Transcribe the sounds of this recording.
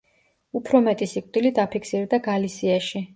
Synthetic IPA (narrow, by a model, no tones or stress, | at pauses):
upʰɾɔmɛt̪ʼisikʼd̪̥ilid̪apʰikʰsiɾd̪aɡalisiaʃi